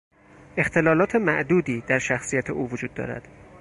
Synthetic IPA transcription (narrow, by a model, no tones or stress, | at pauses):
e̞xt̪ʰe̞lɒːlɒːt̪ʰe̞mæʔd̪uːd̪iːd̪̥æɾʃæxsijæt̪ʰeʔuːvod͡ʒuːd̪ːɒ̰ːɾæ̰d̪̥